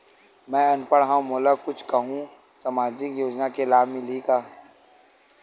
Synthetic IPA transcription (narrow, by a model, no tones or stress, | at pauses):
mɛ̃ːɐnpəɽɦãmoːləkʊt͡ʃʰkɐɦũ | samaːd͡ʒɪkjoːd͡ʒnakelaːbmɪlikaː